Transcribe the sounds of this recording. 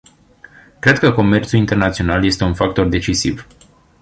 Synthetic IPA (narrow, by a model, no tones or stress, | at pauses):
kɾe̞d̪kəko̞me̞rt̪sulint̪e̞rnat̪sio̞nalje̞st̪e̞unfak̚t̪o̞rd̪e̞t͡ʃisḭv